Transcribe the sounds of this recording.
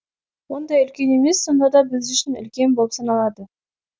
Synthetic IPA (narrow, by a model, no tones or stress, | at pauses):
wo̞nd̪ɑjʏlkʲe̞ne̞me̞sːo̞nd̪ɑd̪ɑbɪzʏʃɪnʏ̰lkʲe̞nbo̞lˠpsɑnɑlˠɑd̪ə